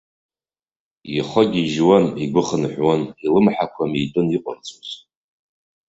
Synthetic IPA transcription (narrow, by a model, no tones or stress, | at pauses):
jiχɔɡʲiʒwaniɡʷʊχənħʷᶣwanilɨmħakʷʰamitʼɨniqʷʼʊ̰rt͡sʼʰuz